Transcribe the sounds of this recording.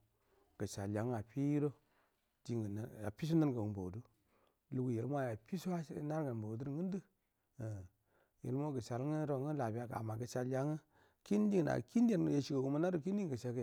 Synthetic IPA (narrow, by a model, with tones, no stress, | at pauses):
ɡ̥ə˨t͡ʃa˨lja˨˦ŋ˦a˨pi˦ji˦ɾo˦ | d͡ʒi˨ŋɡn˨a̰˨pi˦s̬u˦na˦nɡə˨u˨bo̰˨wdu˦ | lu˨ɡu˨je˨lm˦a˦ja˨pi˦su˦wa˦na˦ɾɡə˨n˨bo˨wdu˦ɾŋə˦n˦də˦˨ | jḛ˨lmo˦ɡə˨ʃa˨lŋə˦ɾo˨ŋə˦la˨bi˦a˨ɡa̰˨ma˨ɡə˨t͡ʃa˨ljʲa˨˦ŋə˦ | ki˦n˦di˦ŋ˨na̰˨ki˦nde˦n˨ja˨ʃi˨ɡə˨wu˨ma˦na˦du˨k̬i˦n˦di˦ŋɡə˨ʃa˨ɡj